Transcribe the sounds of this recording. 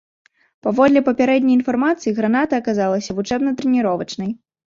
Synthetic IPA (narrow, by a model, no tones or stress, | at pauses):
pavɔd̪lʲɛpɐpʲaɾɛd̪ʲnʲɐjinfarmat̪sɨjiɣɾan̪at̪ɐːkazalˠɐsʲɐvut͡ʂɛbnɐt̪ɾɛnʲiɾɔvɐt͡ʂnɐj